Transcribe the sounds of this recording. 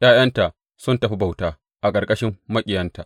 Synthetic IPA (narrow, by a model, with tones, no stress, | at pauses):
jaː˦jɐ˦nta˨ʔ | sʊ˦ntɐ˨ɸi˦ba˨wtaː˦ | ʔa˨kʼɐ˨kʼɐ˦ʃɪ˦mːɐ˦kʲʼɪ˨jɐ˦nta˨ʔ